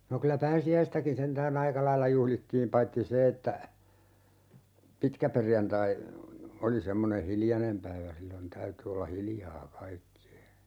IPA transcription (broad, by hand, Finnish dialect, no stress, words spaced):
no kylæ pæːsiæistækin sentæːn ɑikɑ lɑilːɑ juhlitːiːm pɑitːi se etːæ pitkæperjɑntɑi oli semːone hiljɑnem pæiʋæ silːon tæyty olːɑ hiljɑː kɑikːie